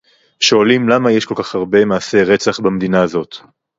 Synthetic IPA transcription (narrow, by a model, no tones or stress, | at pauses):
ʃo̞alimlamajeʃko̞lkaχhaʁbe̞maːse̞ʁe̞t͡saχbamed̪inaːzo̞t̪